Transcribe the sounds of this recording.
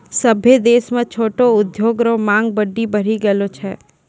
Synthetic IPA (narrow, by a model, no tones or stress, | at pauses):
sɐbʱed̪eːsmẽt͡ʃʰoːʈoʊd̪joːɡɾõmãːŋɡ̚bɐɖːibɐɾ̤iɡɐlot͡ʃʰɛː